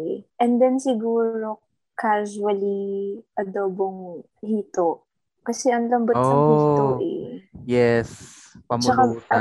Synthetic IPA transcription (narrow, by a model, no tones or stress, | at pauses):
ɛʔɛnd̪ɛnsɪɡuːɾo̞ | kaʃuɐliʔɐd̪oːboŋ | hiːt̪oʔ | kɐsɛʔɐŋlɐmbɐsɐŋhit̪oʔɛ̰jɛs | pɐmt͡ʃɐka